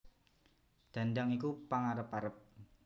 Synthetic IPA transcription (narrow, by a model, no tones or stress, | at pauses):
d̪̥a̤ndaŋikupaŋaɾəpaɾəp̚